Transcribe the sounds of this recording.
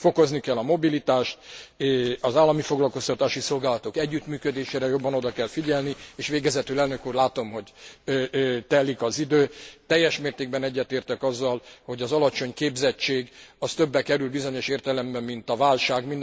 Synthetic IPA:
fo̞ko̞znikɛlːɒmo̞bilit̪aːʃt̪ | ɒzaːlːɒmifo̞ɡlɒlko̞st̪ɒt̪aːʃiso̞lɡaːlɒt̪okɛɟːyt̪myːkød̪eːʃeːɾɛjo̞bːɒno̞d̪ɒkɛlfiɟɛlnieːʃʋeːɡɛzɛt̪ylɛlnø̞kuːrlaːt̪o̞mɦo̞ɟ | t̪ɛlːikɒzid̪øːt̪ɛjːɛʃmeːrt̪eːɡ̚bɛnɛɟːɛt̪eːrt̪ɛkɒzːɒlho̞ɟɒzɒlɒt͡ʃo̞ɲkeːbzɛt͡ʃːeːɡɒst̪ø̞bːɛkɛɾylbizo̞ɲo̞ʃeːrt̪ɛlɛmbɛmːint̪ɒvaːlʃaːɡmind̪

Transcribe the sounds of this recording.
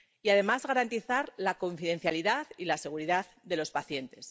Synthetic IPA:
iaðe̞mazɣaɾant̪iθaɾlako̞ɱfiðẽ̞nθjaliðaðilase̞ɣ̞uɾiðað | ðe̞lo̞spaθje̞nt̪e̞s

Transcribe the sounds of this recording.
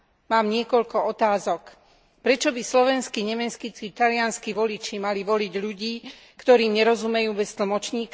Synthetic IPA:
maːmɲɪɛkɔʎkɔɔt̪aːzɔk | pɾɛt͡ʃɔbislɔʋɛnskiɲɛmɛskit͡sit̪alɪanskiʋɔlit͡ʃimaliʋɔliɟʎuɟiː | kt̪ɔɾiːmɲɛɾɔzumɛjuːbɛst̪l̩mɔt͡ʃɲiːk

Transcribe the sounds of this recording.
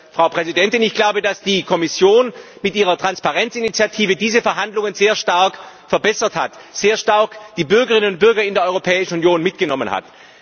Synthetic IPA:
fʁ̥aʊpʁ̥ɛzidɛntɪnɪçɡ̥laʊbədasd̥iːkʰɔmɪsjoːnmɪtʔiːʁɐtʁ̥anspaʁɛnt͡sɪnit͡sjatʰiːvədiːzəfɛɐɦandlʊŋənzeːɐʃtaɐkfɛɐbɛsɐthatz̥eːɐʃtaɐkd̥iːbʏɐɡəʁɪnənʊnt̚b̥ʏɐɡɐɪndeɐɔʏʁopʰɛːɪʃn̩unjoːnmɪt̚ɡ̥ənɔmənha̰t

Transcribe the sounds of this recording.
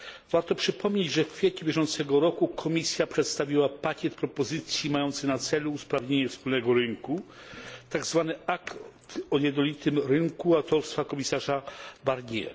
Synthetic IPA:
vaɾt̪ɔpʂɘpʰɔmɲed͡ʑʐɛffʲjet͡ɕubʲjɛʐɔnt̪sɛɡɔɾɔkukʰɔmʲisʲjapʂɛt̪st̪avʲiwapakʲɛt̪pɾɔpɔzɘt̪sʲjimajɔnt̪sɘnat̪sɛluːspɾavɲeɲɛfspulnɛɡɔɾɘŋku | t̪aɡzvanɘakt̪ɔjɛd̪nɔlʲit̪ɘmɾɘŋkuawt̪ɔɾst̪fakɔmʲisaʐabaɾɲɛ̰

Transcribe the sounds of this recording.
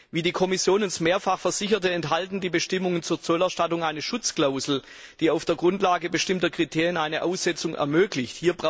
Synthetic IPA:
viːdiːkʰɔmɪsjoːnənsmeːɐfaχfɛɐz̥ɪçɐtəɛntɦaltn̩diːbəʃtɪmʊŋənt͡suːɐt͡sɔlɛɐʃtatʊŋʔaɪnəʃʊt͡skl̥aʊzl̩ | d̥iːaʊfd̥eːɐɡʁʊntlaːɡəbəʃtɪmtɐkʁ̥itʰeːʁjənʔaɪnəʔaʊsz̥ɛt͡sʊŋʔɛ̰ɐmøːklɪçthiːɐbʁa

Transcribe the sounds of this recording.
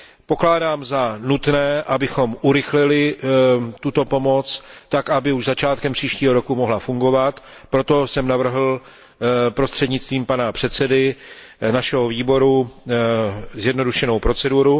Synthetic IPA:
po̞klaːdaːmzanut̪nɛːʔabɪxo̞mʔuɾɪxlɪlɪ | t̪ut̪o̞po̞mo̞t͡st̪akʔabɪuʒzat͡ʃaːt̪kɛmpr̝̥iːʃciːɦo̞ɾo̞kumoɦlafuŋɡo̞vat̪ | pɾo̞t̪o̞sɛmnavr̩ɦl̩ | pɾo̞st̪r̥ɛd̪ɲɪt͡st̪viːmpanapr̝̥ɛt̪t͡sɛdɪ | naʃɛɦoviːbo̞ɾu | zjɛdno̞duʃɛnowpɾo̞t͡sɛduɾu

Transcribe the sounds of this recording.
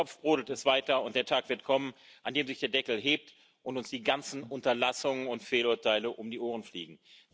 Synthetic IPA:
ɔp͡fb̥ʁʊːdl̩tɛstv̥aɪtɐʊnt̚d̥eːɐtʰaːkv̥ɪɐtkʰɔmənʔandeːmzɪçd̥eːɐdɛkl̩ɦeːp̚t | ʔʊntʊnsd̥iːɡant͡sn̩ʔʊntɐlasʊŋənʊntfeːlʊɐtʰaɪləʔʊmdiːʔoːʁ̞ənflḭːɡŋ̩

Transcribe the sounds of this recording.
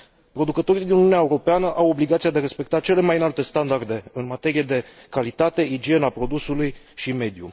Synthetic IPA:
pɾo̞d̪ukət̪o̞ɾid̪inuiuneaeuɾo̞peanəʔawo̞bliɡat̪siad̪eaɾe̞spe̞k̚t̪at͡ʃe̞le̞majɨnalt̪e̞st̪and̪ard̪e̞ɨnmat̪e̞ɾije̞d̪e̞kalit̪at̪e̞id͡ʒie̞napɾo̞d̪usuluj | ʃime̞d̪jṵ

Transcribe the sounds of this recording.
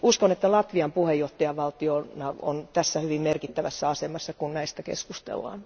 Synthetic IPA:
uskonet̪ːælɑt̪ʋiɑmpuhejoht̪ːɑjɑʋʋɑlt̪ionɑo̰nt̪æsːæhyʋimmerkit̪ːæʋæsːæɑsemɑsːɑkunnæist̪ækḛskust̪ḛlːɑ̰ːn

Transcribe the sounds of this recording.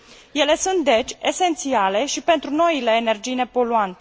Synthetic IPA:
je̞le̞sunt̪̚d̪e̞t͡ʃʲe̞se̞nt̪siale̞ʃipe̞nt̪ɾuno̞ile̞ːne̞rd͡ʒiːne̞po̞luant̪e̥

